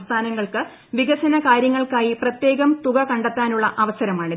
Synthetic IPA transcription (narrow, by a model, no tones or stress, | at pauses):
st̪ʰaːnɐŋːɐɭkɨ | ʋiɡɐɕɐnɐkaːɾjɐŋːɐɭkaːjiprɐt̪je̞ːɣɐmt̪uɣɐkɐɳɖɐt̪ːaːnuɭːɐʔɐʋɐsɐɾɐmaːɳɨ